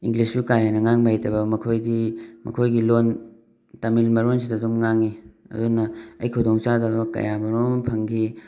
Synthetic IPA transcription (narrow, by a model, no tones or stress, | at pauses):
iŋlispukajanɐŋaŋbajtɐbɐmɐkʰojdimɐ̰kʰojɡilon | tɐmilmɐɾons̬idɐdumŋaŋiɐ̰dunɐɐjkʰɐwdoŋt͡ʃadɐbɐkɐ̰jamɐɾompʰɐŋɡi